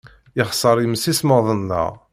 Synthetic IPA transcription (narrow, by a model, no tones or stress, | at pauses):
ɪχsˤəɾˤjəmːəsisməðˤənːə̰ʁ